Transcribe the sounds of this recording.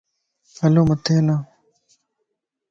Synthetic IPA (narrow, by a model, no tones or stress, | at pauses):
ɐloːmɐt̪eːna